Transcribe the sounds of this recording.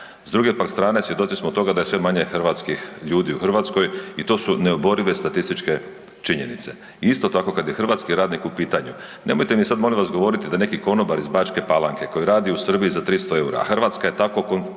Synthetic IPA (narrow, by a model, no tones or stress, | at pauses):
zd̪ɾuɡe̞pakst̪ɾaːne̞sʋjed̪o̞t̪sismot̪o̞ɡad̪aje̞sʋe̞maɲe̞xrʋat̪skixʎuːd̪iuxr̩ʋaːt̪sko̞jit̪o̞ːsune̞obo̞ɾiʋe̞st̪at̪ist̪it͡ʃke̞ | t͡ʃiɲe̞nit̪se | iist̪o̞t̪ako̞kad̪jexr̩ʋaːt̪skiɾaːd̪nikupiːt̪aɲu | nʔe̞mojt̪emisad̪mo̞liʋasɡoʋo̞ɾit̪id̪ane̞kiko̞nobaɾizbaːt͡ʃke̞palaŋke̞ko̞jiɾaːd̪iusrbiizat̪ɾist̪o̞e̞uɾa̰axr̩ʋat̪skajet̪ako̞kon